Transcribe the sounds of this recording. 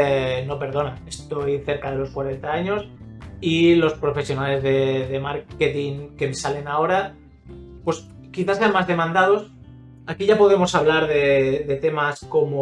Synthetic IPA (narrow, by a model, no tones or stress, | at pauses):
no̞pe̞ɾðonae̞st̪o̞jθe̞ɾkað̞e̞lo̞skwaɾe̞nt̪aaɲo̞silo̞spɾo̞fe̞sjo̞nale̞zðe̞ðe̞maɾket̪iŋke̞mesale̞nao̞ɾa | pwoe̞s | kiθaseanmazðe̞mãnd̪aðo̞s | akiʝapo̞ð̞e̞mo̞saβlaɾðe̞ðe̞t̪e̞masko̞mo